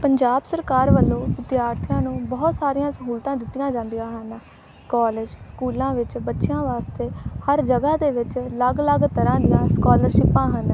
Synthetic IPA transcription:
pəɲd͡ʒaːbsəɾkaːɾʋəlːõːʋɪd̪jaːɾt̪ʰɪjãːnũːbɔːt̪saːɾijãːsəɦuːlt̪ãːd̪ɪt̪ːɪjãːd͡ʒãːnd̪ijãːɦən | kɔːleːd͡ʒskuːlãːʋɪt͡ʃbətːʃɪjãːʋaːst̪eːhəɾd͡ʒəɡaːd̪eːʋɪt͡ʃləɡləɡt̪əɾãːd̪ijãːskɔːləɾʃɪpãːɦən

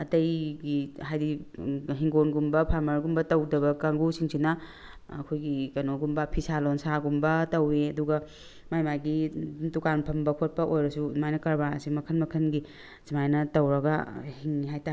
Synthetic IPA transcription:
ɐtɐjɡiɦajdiɦiŋɡonɡumbɐpʰamɐɾɡumbɐtɐwdɐbɐkaŋɡusiŋsʰinɐ | ɐ̰kʰojɡikɐnoɡumbɐpʰisalonsaɡumbɐtɐweɐduɡɐ | majmajɡidukanpʰɐmbɐkʰot̚pɐʔojɾɐsumajnɐkɐɾba̰simɐkʰɐnmɐkʰɐnɡi | simajnɐtɐwɾɐɡɐ̰hiŋiɦajta

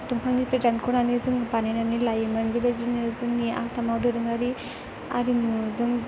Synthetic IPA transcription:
tuŋpʰaŋnipɾedankʰɔnanizɯŋbanajnanilajɯmanɡibazinɯzɯŋnia̰samawdɯɾɯŋaɾi | a̰ɾinuzɯŋ

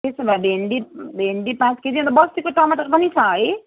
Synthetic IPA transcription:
t̪esʌbabʱeɳɖibʱeɳɖipãt͡sked͡ziʌ̃nt̪ʌbʌst̪ikoʈʌmaʈʌɾpʌnit͡sʰʌɦʌj

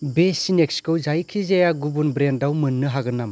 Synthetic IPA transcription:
besinek̚skɯwzajkʰizajaɡubunbɾendawmɯnːɯɦaɡɯnːam

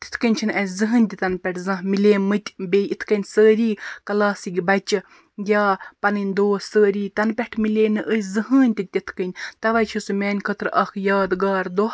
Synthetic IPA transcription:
t̪i̥t̪ʰkənʲt͡ʃʰinɐsʲzɨɦɨnʲt̪ʲit̪ɐnpʲɛʈʰzɐ̃ɦmilʲeːmɨt̪ʲbʲeːjit̪ʰkɐnʲsəːɾiːkɐlaːsiɡʲibɐt͡ʃɨ | ɡʲjaːpɐnɨnʲd̪oːsəːɾiːt̪ɐnpʲɛʈʰmilʲeːnɨʔəzɨɦəːnʲt̪it̪ʲit̪ʰkənʲt̪ɐʋɐjt͡ʃʰisumʲɛːnʲkʰət̪ɾʔɐkʰjaːd̪ɡaːɾd̪oh

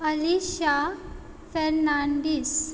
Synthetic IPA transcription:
əliɕa | feɾnaɳɖis

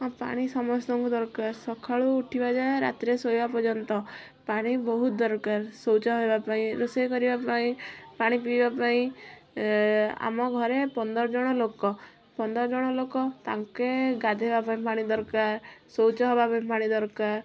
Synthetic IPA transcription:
pa̰ɽ̃isɔmɔst̪ɔŋkud̪ɔɾkaɾsɔkʰaɭuːʈʰibad͡ʒaeɾa̰t̪ɾesojbapɔd͡ʒɔnt̪ɔ | paɽ̃ibɔɦut̪d̪ɔɾkaɾsowt͡ʃɔɦebapaĩɾusejkɔɾibapaĩpaɽ̃ipibbapaĩ | a̰mɔɡʱɔɾepɔnd̪ɔɾɔd͡ʒɔɽ̃ɔlokɔ | pɔnd̪ɔɾɔd͡ʒɔɽ̃ɔlokɔt̪aŋkeɡad̪ʱebapaĩpaɽ̃id̪ɔɾkaɾsowt͡ʃɔɦɔbapaĩpaɽ̃id̪ɔɾkaɾ

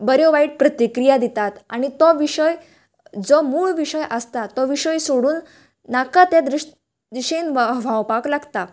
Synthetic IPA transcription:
bəɾjɔʋaiːʈ̚pɾət̪ikɾijad̪it̪at̪añit̪ɔʋiɕəj | d͡zɔmuːɭʋiɕəjʔəst̪at̪ɔʋiɕəjsoɽuːnː | akat̪ad̪ɾi | d̪iɕəinʋʋʱãwpaklaɡt̪a

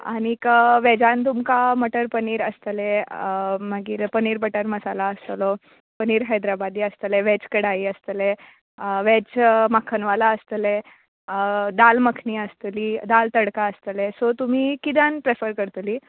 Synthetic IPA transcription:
a̰ɽ̃ikəʋɛd͡zant̪̬umkaməʈəɾpəniːɾəst̪əle | maɡiːɾpəniːɾbəʈəɾməsalaəst̪əlɔ | pəniːɾɦəjd̪ɾabad̪iːəst̪əleʋet͡skəɽaiəst̪əle | ʋet͡smakʰənʋalaəst̪əle | d̪alməkʰniːəst̪liːd̪alt̪əɽkaəst̪əlesɔt̪um̤iːkid̪ʱanpɾefəɾkəɾt̪uliː

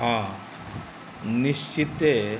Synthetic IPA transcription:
a | niɕt͡ʃit̪e

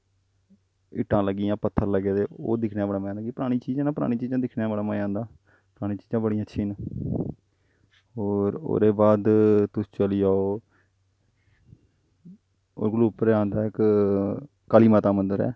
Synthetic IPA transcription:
ɪ̰ʈʰːãːləɡːiːãːpət̪ʰːəɾləɡeːd̪eːo̰ːd̪ɪkʰnaːbəɽaːmããːləɡiːpʊɾaːɽ̃iːt͡ʃiːd͡ʒãːnãːpʊɾa̰ːɽĩːt͡ʃiːd͡ʒãːd̪ɪkʰnjaːbəɽaːmãːãːnd̪aː | pəɾaːɽ̃ĩːt͡ʃiːd͡ʒãːbəɽĩːãətːʃʰiːn | ɦoːɾo̰ːɾeːbaːd̪t̪ʊst͡ʃəliːaːoː | o̰ːɾɡəluːpəɾãːnd̪aːɪk | kaːliːmaːt̪aːmənd̪əɾɛ̰ː

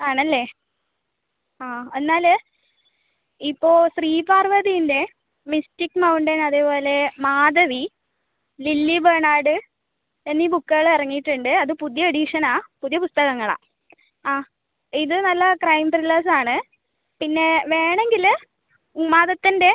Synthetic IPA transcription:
aːɳɐlːe̞ː | aːe̞nːaːl | ipːo̞ːsriːpaːrʋɐðijinde̞ | mistikːmɐwuɳɖenɐðeːpo̞ːle̞maːd̪ɐʋi | lilːibeɳaːɽɨ | enːiːbukːɐɐɭɐrɐŋːijiʈːuɳɖɨɐðɨpuðjɐɐɽiʂɐnaːpuðijɐpust̪ɐɣɐŋːɐɭa̰ː | aː | iðɨnɐlːɐkrɐjmprilaːs̬aːɳɨ | pinːe̞ʋe̞ːɳe̞ŋɡil | maːðɐt̪ːinde̞

